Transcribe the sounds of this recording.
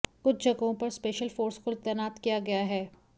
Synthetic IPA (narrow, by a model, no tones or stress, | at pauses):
kʊt͡ʃʰd͡ʒɐɡõpɐɾspeːʃəlfoːɾskot̪ɛːnaːt̪kijaɡɐjaɦɛː